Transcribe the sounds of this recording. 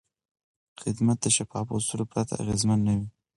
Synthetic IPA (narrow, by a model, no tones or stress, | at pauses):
xɪd̪mat̪̚d̪əʃafɑfot̪uɾopɾat̪ʰa̰a̰ɣezmanːawi